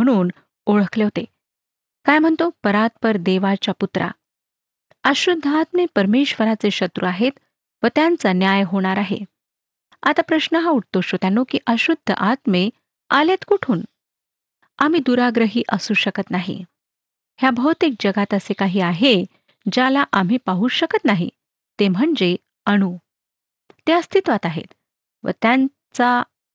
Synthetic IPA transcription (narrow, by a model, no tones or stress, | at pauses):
əɽ̃uːn | oɭəkʰleɦot̪e | kajm̤əɳt̪opəɾat̪̚pəɾd̪eʋat͡ɕaput̪ɾʔa̰ | əɕud̪ʱːəat̪mepəɾmeɕʋəɾat͡seɕət̪ɾuaɦet̪ | ʋət̪jant͡sanjajɦoɽ̃aɾaɦḛ | at̪apɾəɕnəɦãuʈ̚ʰt̪oɕot̪janːokiːʔəɕud̪ʱːə̰ʔat̪me | alet̪kuʈʰuːn | am̤iːd̪uɾaɡɾəɦiːʔəsuːɕəkət̪naɦḭ | hjabʱəwt̪ik̚d͡ʑəɡat̪əsekaɦiːaɦe | d͡ʑalaʔam̤iːpaɦuːɕəkət̪naɦḭ | t̪em̤əɳd͡ze | əɽ̃u | t̪eəst̪ʰit̪ʋat̪aɦḛt̪ | ʋə̰t̪jan | t͡sa